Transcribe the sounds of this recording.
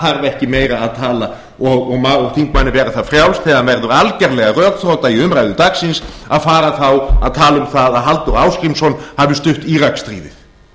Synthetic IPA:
haɾvɛhcɪmeːjɾaːðt̪ʰaːla | ɔɣɔɣmaɔɣθiŋkmanːɪvɛːɾaθaðfɾjawlsθɛːðanvɛɾðʏɾalcɛɾlɛɣarœːkθɾowt̪aiʏmɾajðʏt̪aksɪnsaðfaːɾaθawa̰ðt̪ʰaːlʏmθaðaðɦalt̪ʏɾaːwskɾimsɔnhavʏst̪ʏht̪iːɾakst̪ɾḭːðɪ̰ð

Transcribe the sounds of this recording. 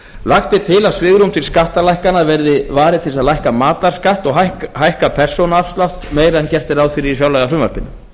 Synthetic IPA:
laxt̪ɪt̪ʰɪlasvɪɣɾumt̪ʰɪlskaht̪alajkanaðvɛɾðɪvaːɾɪt̪ʰɪlsaðlajhkamaːt̪laɾ̥skaht̪ɔɣɦaɦajhkapʰɛr̥sɔwnaafst̪lawt̪meːjɾaɛncɛr̥t̪ɪɾawðfɪɾɪɾifjawlɛjɣafɾʏmva̰ɾ̥pɪnːʏ

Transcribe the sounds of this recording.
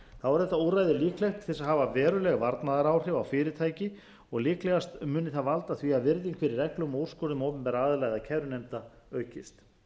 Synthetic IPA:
θavaɾ̥θɛht̪aowrajðɪliːklɛjxt̪θɛsaɦavavɛːɾʏlɛɣvaɾt̪naðaɾaːwr̥ɪvawfɪːɾɪt̪ʰaːjcɪ | ɔɣliːklɛɣast̪mʏːnɪθaðvalt̪aθviavɪɾðɪŋkʰfɪɾɪɾɛklʏmɔur̥skɔɾnʏmowpʏmpɛːɾaaːðʏlajɣðacʰɛvɾʏnɛmt̪a | œːɥhcɪst̪

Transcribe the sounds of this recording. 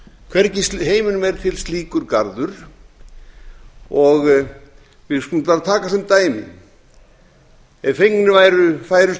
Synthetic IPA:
kʰvɛɾcɪsɦeːjmʏnʏmɛɾ̥t̪ʰɪlst̪liːkʏɾkaɾðʏɾ̥ | ɔɣ | vɪðskulʏmp̪aːɾat̪ʰaːkasɛmt̪aːjmɪ̰ | ɛfejknɪvaːjɾʏfaːjɾʏ

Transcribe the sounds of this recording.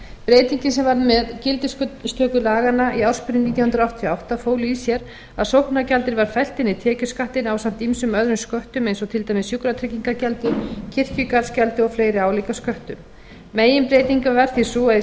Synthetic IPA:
pɾeːjt̪iɲcɪnsɛmvaɾmɛðcɪlt̪ɪskst̪ʰœːkʏlaːɣanaʔiawɾ̥spʏɾɪnit̪jawhʏnɾaaht̪ʰjɔawht̪afoːwlɪisjɛɾ | aðsowhknacalt̪ɪɾvaɾ̥fɛl̥t̪ɪnːɪt̪ʰɛːcʏ̥skaht̪ɪnaːwsam̥t̪imsʏmœðɾʏnskœht̪ʏmejnsɔt̪ʰɪlt̪ajmɪsjukɾat̪ʰɾɛciŋkacɛlt̪ɪcʰɪr̥cʏkaɾscalt̪ɪɔfleːjɾɪaːwlikaskœht̪ʏmː | eːjɪmpɾeːjt̪iŋkavɛɾ̥θisuːaɪ

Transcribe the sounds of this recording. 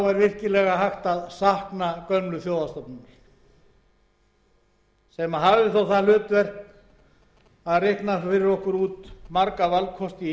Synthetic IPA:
vaɾvɪr̥cɪlɛɣaɦajxt̪aðsahknakœnlʏθjoːwðast̪ɔp̚nanʏɾ̥ | sɛmaɦavðɪθawθaðlʏːt̪vɛr̥t̪ | aðrɪhknafɪɾɪɾɔhkʏɾuːt̪maɾkavalkʰɔst̪ɪ

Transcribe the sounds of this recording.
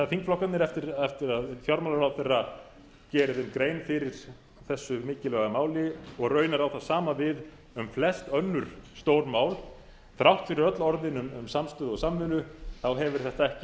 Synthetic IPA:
θaðfiŋkflɔhkːat̪nɪɾɛft̪ɪɾɛft̪ɪɾaðθjɔɾmawlaɾawθerːa | cɛːɾɪðʏmkɾeːjnfɪɾɪɾ̥ | θɛsːʏmɪːcɪlœɣamaːwlɪɔɣrœːɥnaɾawθaðsaːmavɪð | ʏmflɛst̪œnːʏɾ̥st̪oːwɾmaːwl | θɾawht̪fɪɾɪɾœt̪lɔɾðɪnʏmʏmsamst̪ʏːðɔsamːʏnʏθawɦɛvʏɾ̥θɛht̪aɛhcɪ

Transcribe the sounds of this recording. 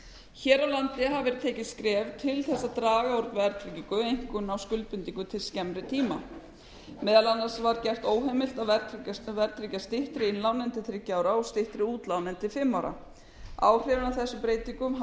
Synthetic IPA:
çɛːɾawlant̪ɪɦavvɛɾt̪ʰeːjcɪskɾɛːvt̪ʰɪlθɛsːat̪ɾaːɣaɔɾt̪vɛɾt̪ʰɾiciŋkʏejŋ̥kʏnawskʏlt̪̚pʏnt̪iŋkʏt̪ʰɪlscɛmɾɪt̪ʰiːma | mɛːðalanːaɾsvaɾcɛr̥t̪oːwɦɛmɪl̥t̪aðvɛɾt̪ɾicavɛɾt̪ɾicast̪ɪht̪ɾɪɪnlawnɛnt̪ɪθɾɪcːaːwɾaɔst̪ɪht̪ɾɪuːt̪lawnɛnt̪ɪfɪmːawɾa̰ | a̰ːwrrɪvʏnawθɛsːʏmpɾeːjt̪iŋkʏm

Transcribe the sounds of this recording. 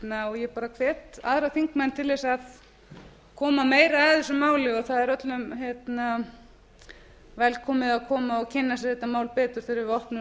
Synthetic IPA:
naɔɣjɛpaːɾakʰvɛːt̪a̰ðɾaθiŋkmɛnt̪ʰɪlvɛsað | kʰɔːmameːjɾaɛðʏsʏmaːwlɪɔθaðɛɾœt̪lʏmɦjɛt̪na | vɛlkʰɔːmɪðaðkʰɔːmaɔɣcʰɪnːasɪθɛt̪ːamaːwlpɛːt̪ʏɾ̥θɪɾɪɾvɔhpnʏ

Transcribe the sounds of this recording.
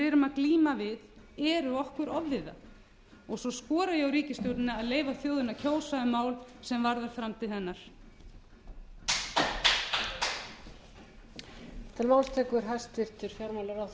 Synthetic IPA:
ɪɾʏmaðkliːmavɪð | ɛɾʏɔhkʏɾɔvːɪða̰ | ɔɣsɔskɔːɾajɛɣawɾiːcɪst̪ɔwt̪nɪaðleːjvaθjoːwðʏnacʰoːwsaʏmaːwlsɛmvaɾðaɾ̥fɾamt̪ʰɪlhɛnːaɾ̥ | t̪ʰɪlmaːwlst̪ʰɛːkʏɾ̥ɦast̪ɪr̥t̪ʏɾ̥fjɔɾmawlaɾa

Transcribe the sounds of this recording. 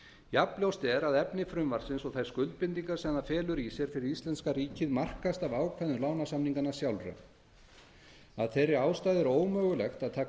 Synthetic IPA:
japljowst̪ɛɾaðɛpnɪfɾʏmvaɾ̥sɪnsɔɣθajɾskʏlt̪̚pɪnt̪iŋkaɾ̥sɛmðafɛːlʏɾisjɛɾ̥fɪɾɪɾist̪lɛnskaɾiːcɪðmar̥kast̪avaːwkʰvɛjðʏlaːwnasamniŋkanːasjawlra̰ | a̰ðθejrːɪaːwst̪aːjðɪɾoːwmœːɣʏlɛxt̪aðt̪ʰaː

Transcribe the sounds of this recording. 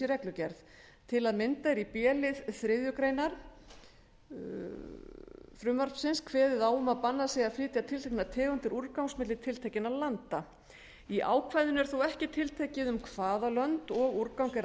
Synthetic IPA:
ɪɾrɛklʏcɛɾð | t̪ʰɪlaðmɪnt̪aɛɾipjɛːlɪðθɾɪðjʏkɾejnaɾ̥ | fɾʏːmaɾ̥psɪnskʰvɛːðɪðaːwʏmaðpanːasɛjɣaðfɾɪːt̪jat̪ʰɪlt̪ʰejknat̪ʰɛːɣʏnt̪ɪɾuɾkawŋsmɪt̪lɪt̪ʰɪlt̪ʰehcɪnalant̪a | iʔa̰ːwkʰvajðʏnɛɾ̥θowɛhcɪt̪ʰɪlt̪ʰecɪðʏmkʰv̥aːðalœnt̪ɔɣuɾkawŋkɛɾ

